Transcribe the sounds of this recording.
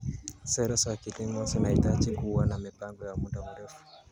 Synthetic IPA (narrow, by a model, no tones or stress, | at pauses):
sɛɾɛsɔakitiŋɡɔsinahitad͡ʒikuwanamipaŋɡɔjamudamuɾɛfu̥